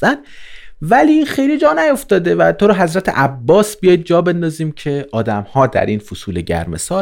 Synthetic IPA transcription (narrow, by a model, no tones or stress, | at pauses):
æn | væliːxejlid͡ʒɒːnæjo̞ft̪ɒːd̪evæt̪ʰoɾɒːɦæzɾæt̪ʰḛʔæbːɒːsbijɒːjd̪̚d͡ʒɒːbe̞nd̪ɒːziːmcʰe̞ɒːd̪æmhɒːd̪æ̰ɾiːnfosuːleɟæ̰ɾme̞̰sɒː